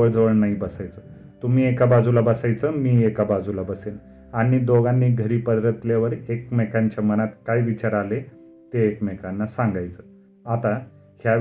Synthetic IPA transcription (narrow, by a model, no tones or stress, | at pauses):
əɭd͡zəʋəɭnaɦibəsajt͡sə | t̪um̤iːekabad͡zulabəsajt͡səmiːekabad͡zʱulabəsel | aɽ̃id̪oɡanːiːɡʱəɾiːpəd̪ɾət̪ljaʋəɾek̚mekaɲt͡ɕamənat̪kajʋit͡ɕaɾale | t̪eːkmekanːasãŋɡajt͡sə | at̪a | hja